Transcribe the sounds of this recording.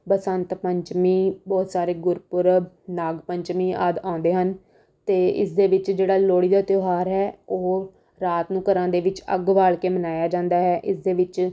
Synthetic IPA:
pəsənt̪pəɲt͡ʃmiːbɔːt̪saːɾeːɡʊɾpʊɾ | naːɡpəɲt͡ʃmiːaːd̪ãːnd̪eːɦən | t̪eːɪ̰sd̪eːʋɪt͡ʃd͡ʒeːɽaːloːɽiːd̪aːt̪joːɦaːɾɦɛːoː | ɾaːt̪nũːkəɾãːd̪eːʋɪt͡ʃə̰ɡʋaːɭkeːmənaːjaːd͡ʒãːnd̪aːɦɛːʔɪsd̪eːʋɪt͡ʃ

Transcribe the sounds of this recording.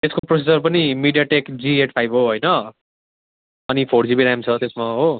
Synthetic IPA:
t̪eskoprosisʌrpʌnimiɖijaʈekd͡zieʈ̚ʰpʰajbɦoɦojnʌ | ʌnipʰoɽd͡zibiɾamt͡sʰʌt̪esmaɦo

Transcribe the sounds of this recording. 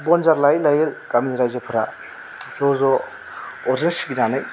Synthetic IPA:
bɔnzaɾlajlajelkamniɾajzapʰɯɾa | zɔzɔ | ɔɾzensiɡinanaj

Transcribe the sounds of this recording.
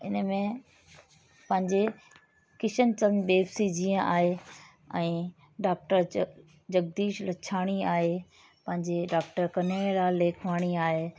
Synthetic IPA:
ɪ̰nəmẽ | pɐ̃ɦɪ̃ɲd͡ʑe | kɪʃənt͡ɕɐmd̪eːbsid͡ʑĩːə̃ʔa̰ːɦe | ɛ̃ː | ɖaːk̚ʈəɾ | d͡ʑɐɡ̚d̪iːʃlɐt͡ɕʰaːɽ̃iaːɦe | pɐ̃ɦɪ̃ɲd͡ʑeɖaːk̚ʈəɾkɐneːlaːlːeːkʰʋaːɽ̃iaːɦeː

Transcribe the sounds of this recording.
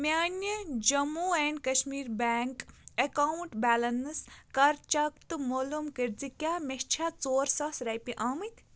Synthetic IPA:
mʲenjɐd͡ʒɐmuenkɐʃmiːɾbaːŋkɐkauɳʈbaːlɐnɨskɐɾt͡ʃɐkt̪ɨmolumkiɾd͡zikʲamʲest͡ʃʰat͡soːɾsɐsɾɐjpiʔaːmɨt̪ʲʰ

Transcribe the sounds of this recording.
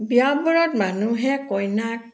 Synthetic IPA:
biabɔɹɔt̚manuɦɛkɔjnak̚

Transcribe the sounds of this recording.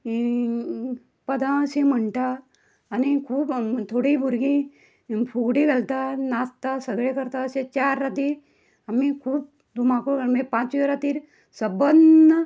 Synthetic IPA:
pəd̪ʱãseməɳʈaː | nikʰuːbt̪ʰoɽiːbʱuɾɡĩ | pʰuɡɽiɡəlt̪anast̪asəɡɭekəɾt̪aəsẽt͡ɕaɾːat̪i | amikʰuːb̚ | d̪ʱumakoɡəɾmẽpãt͡ʃiɾat̪iːɾ | səbənə

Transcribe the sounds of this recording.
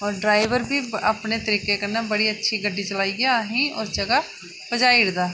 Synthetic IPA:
ɔːɾɖɾaːɪʋəɾbʱiəpnet̪əɾiːqekənabəɽiətːʃʰiɡəɖːit͡ʃəlaːiɡɦĩɔːɾd͡ʒəɡa | pəd͡ʒaːiɽd̪aː

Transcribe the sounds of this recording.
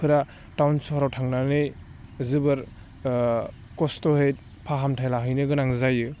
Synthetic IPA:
kʰɯɾa | tawnsoɦaɾawtʰaŋnanɯjzɯbɯɾ | kɔstɔhejt̚ | pʰaɦamtʰajlaɦɯjnɯɡɯnaŋzajɯ

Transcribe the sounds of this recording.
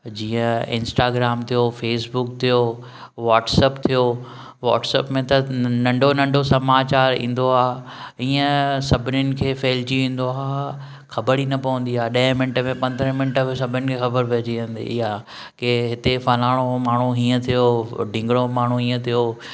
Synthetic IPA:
d͡ʑiːə̃ɪ̰̃nsʈaːɡɾaːmt̪ʰijofeːsbʊkt̪ʰijo | ʋaːʈsəːpt̪ʰijo | ʋa̰ːʈsɛ̰ːpmẽt̪ɐnɐ̃ɳɖʱonɐ̃ɳɖʱosɐmaːt͡ɕaːɾḭ̃ːn̆d̪oaː | ĩːə̃sɐbʱɪnʊnɪ̆kʰeːfeːlt͡ɕiʋĩːn̆d̪oaː | xɐbəɽinɐpɐʋə̃n̆d̪iaːɗɐ̃ɦmɪ̃nʈəmẽpɐ̃nd̪ɾə̃mɪnʈəsɐbʱɪnʊnɪ̆kʰexɐbəɾpeɦd͡ʑiə̃nd̪ḛɪɦa | keɦɪt̪efɐlaːɽ̃omaːɳ̤uɦĩːə̃t̪ʰijoɖʱɪ̃ŋɡɽ̃omaːɳ̤uɦĩːə̃t̪ʰijoː

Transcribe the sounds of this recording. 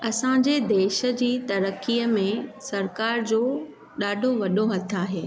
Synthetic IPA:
ɐsãd͡ʑed̪eːʃə̆d͡ʑiːt̪ɐɾəkːijəmẽsɐɾkaːɾd͡ʑoː | ɗaːɖʱoʋɐɗoɦɐt̪ʰaːɦeː

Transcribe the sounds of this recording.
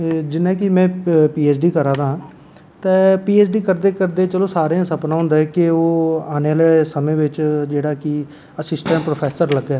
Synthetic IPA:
d͡ʒɪnːãːkɪmɛ̃ːpiːeːt͡ʃɖiːkəɾãːd̪aːɦãː | t̪ɛ̃ːpiːeːsɖiːkəɾd̪eːkəɾd̪eːt͡ʃəloːsaːɾeãːsəpnaːɦʊ̃nd̪aːɛkɪoːaːnealeːsəmẽːʋɪt͡ʃd͡ʒeːɽaːkɪ | əsɪsʈə̃ɳʈpɾoːpʰɛːsəɾləɡɛː

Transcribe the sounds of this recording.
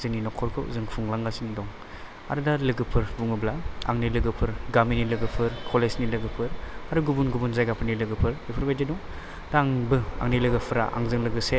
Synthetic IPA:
zɯninɔkʰɔɾkʰɯ̰zɯŋpʰuŋlaŋɡasinidɔŋ | a̰ɾɯdalɯɡɯpʰɯɾbuŋɯblaa̰ŋnilɯɡɯpʰɯɾɡaminilɯɡɯpʰɯɾkʰɔlesnilɯɡɯpʰɯɾaɾuɡubunɡubunzajɡapʰɯɾnilɯɡɯpʰɯɾlipʰɯɾbajdedɔŋ | daŋbɯa̰ŋnilɯɡɯpʰɯɾa̰ʔa̰ŋzɯŋlɯɡɯse

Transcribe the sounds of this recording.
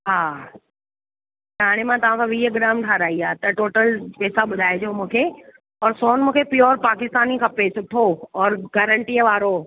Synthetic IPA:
ɦaː | t͡ɕaːɽ̃emãt̪ɐʋ̤ãkʰãʋiːəɡɪɾaːmʈʰaːɾaːiaːt̪ɐʈoːʈəlpeːsaɓʊd̪ʱaːed͡ʑoːmũːkʰe | ɔːɾsɔːnmũːkʰepɪjɔːɾpaːkɪst̪aːnikʰãːpesʊʈʰoɔːɾɡəɾəɳʈiəʋaːɾo

